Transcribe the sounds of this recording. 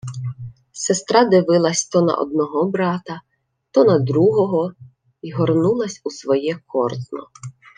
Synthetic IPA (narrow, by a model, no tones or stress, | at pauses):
sest̪ɾɑd̪ɪʋɪlˠɐsʲt̪ɔnɐ̰ʔɔ̰d̪nɔɦɔbɾɑt̪ɐ | t̪ɔnɐd̪ɾuɦɔɦɔ | iɦɔrnulˠɐsʲusʋɔjɛkʰɔrznɔ̰